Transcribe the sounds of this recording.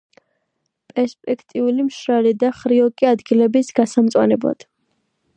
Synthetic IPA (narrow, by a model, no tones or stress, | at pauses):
pʼɛɾspʼɛkʰt̪ʼiulimʃɾalid̪aχɾiɔkʼiad̪ɡilɛbisɡasamt̪sʼwa̰nɛblˠa̰d̪̥